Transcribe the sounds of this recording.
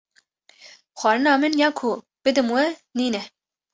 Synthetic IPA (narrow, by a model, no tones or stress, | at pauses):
xʷɑːɾɨnɑːmɨnjɑːkʰu | b̥ɨd̪ɨmwɛniːnɛ